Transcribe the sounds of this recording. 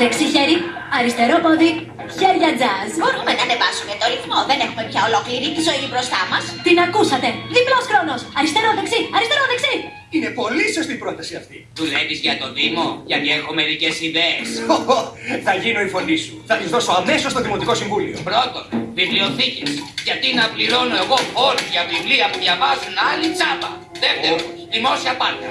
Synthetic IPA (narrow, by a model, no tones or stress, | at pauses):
ðeksiçeɾi | ɐɾist̪e̞ɾopoði | çe̞ɾʝɐd͡zɐzbo̞ɾumenɐːnevɐsumeet̪o̞ɾiθmo̞ðe̞nexume̞pçɐo̞lo̞kliɾit̪izo̞ibɾo̞st̪ɐmɐst̪inɐkusɐt̪e̞ðiplo̞sxɾo̞nosɐɾist̪e̞ɾoðeksiɐɾist̪e̞ɾoðeksi | inepo̞liso̞st̪iːpɾo̞t̪ɐsiɐft̪i | ðule̞vizʝɐt̪o̞ðimo̞ʝɐt̪ie̞xo̞me̞ɾice̞siðeːsooθɐʝino̞ifo̞nd̪isuθɐt̪izðo̞so̞ɐme̞so̞st̪oðimo̞t̪iko̞siɱvulio̞̰pɾo̞t̪o̞nvivlio̞θicesʝɐt̪inɐpliɾo̞no̞e̞ɣo̞olizʝɐvivliɐmuðʝɐvɐzunɐlit͡sɐpɐ̰ | ðeft̪eɾo | ðimo̞siɐpɐɾt̪ɐ